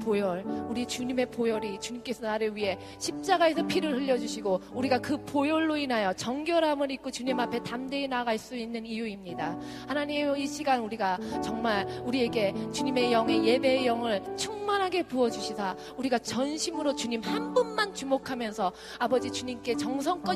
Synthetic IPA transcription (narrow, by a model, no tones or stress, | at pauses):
pojʌɭuɾit͡ɕuɲime̞pojoɾit͡ɕuɲimk͈e̞sʰʌnaɾɯɭɥiɦe̞ | ɕʰip̚t͡ɕ͈aɡae̞sʰʌpʰiɾɯɭhɯʎːʌd͡ʑuɕʰiɡouɾiɡakɯpojoɭːoinajʌt͡ɕʌŋɡjʌɾamɯɾik̚k͈ot͡ɕuɲimapʰe̞tamde̞inaɣaɭs͈uinːɯnijuimɲida | hanaɲimiɕʰiɡanuɾiɡat͡ɕʌŋmaɭuɾie̞ɡe̞t͡ɕuɲime̞jʌŋe̞je̞be̞jʌŋɯɭt͡ɕʰuŋmanɦaɡe̞puʌd͡ʑuɕʰisʰa | uɾiɡat͡ɕʌnɕʰimɯɾot͡ɕuɲimhambʌnmant͡ɕumokʰamjʌnsʰʌ | abʌd͡ʑit͡ɕuɲimk͈e̞t͡ɕʌŋsʰʌŋk͈ʌ